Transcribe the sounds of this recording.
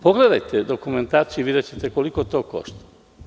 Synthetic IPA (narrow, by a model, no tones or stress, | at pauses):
pokleɾɛt̪ːed̪okument̪aɾt͡ʃivid̪at͡ʃit̪ekwolikot̪ɔkɔ̰st̪